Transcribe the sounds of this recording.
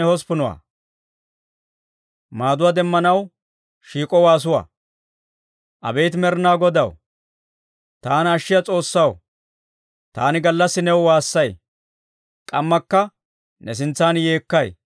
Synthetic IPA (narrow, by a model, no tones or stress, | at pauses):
ɛhɔspʊnʊwa̰ | maːd̪ʊwaːd̪ɛmːɐnɐw | ʃiːkʼɔwaːs̬ʊwa̰ː | ʔɐ̰beːt̪mɛɾnaːɡɔd̪ɐ̰w | t̪aːnɐʃːɪjɐt͡sʼo̞ːsːɐw | t̪a̰ːnɪɡɐlːɐsːɪnɛwwaːsːɐj | kʼɐmːɐkːɐ | nɛs̬ɪnt͡sːaːnje̞ːkːɐj